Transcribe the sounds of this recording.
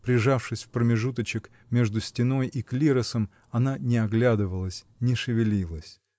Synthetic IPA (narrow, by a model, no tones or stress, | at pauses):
pɾʲɪʐafʂɨsʲfpɾəmʲɪʐut̪ət͡ɕɪk | mʲe̞ʐd̪ʊsʲtʲɪn̪o̞jʔiklʲiɾəsəm | ɐnanʲɪɐɡlʲad̪ɨvəlˠəsʲ | nʲɪʂɨvʲɪlʲilˠəsʲ